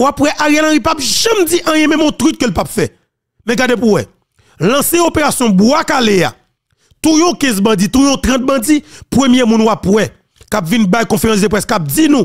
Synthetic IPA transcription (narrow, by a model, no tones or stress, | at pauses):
wapwɛʔaɣealãɣipapʒɛ̃md͡ziʔɐ̃jɛ̃mɛ̃mɔ̃t̪ʁyt̪̚kəlpapfɛ | mɛ̃ɡadepuwɛ | lɐ̃seopeʁasjɔ̃bwakalea̰ | t̪ujɔ̃kɛ̃zbãd͡zit̪ujɔ̃t̪ʁɐ̃t̪̚bɐ̃d͡zipɣəmjemũnwapwɛ | kapvinbajkɔ̃feʁãs̬d̪əpɣɛskap̚d͡zinũ